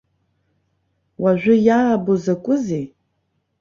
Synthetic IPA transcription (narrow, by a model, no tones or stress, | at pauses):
waʒʷᶣʊjabozɐkʷʼʊze